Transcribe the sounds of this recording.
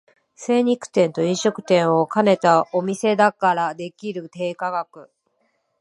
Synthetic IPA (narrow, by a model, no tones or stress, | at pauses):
se̞ːɲ̟ikɯ̟̥t̪ẽ̞nt̪o̞ĩɰ̃ɕo̞kɯ̟̥t̪ẽ̞ɰ̃o̞kane̞t̪ao̞mʲise̞d̪akaɾad̪e̞kʲiɾɯ̟t̪e̞ːkaɡakɯ̟